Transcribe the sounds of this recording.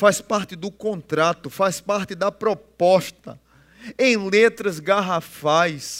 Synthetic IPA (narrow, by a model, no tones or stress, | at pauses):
faspaɾt̪ɪd̪ʊkõnt̪ɾat̪ʊfaspaɾt̪ɪd̪ɐpɾɔpɔst̪ɐ̰ | ẽj̃let̪ɾɐzɡaɦafajs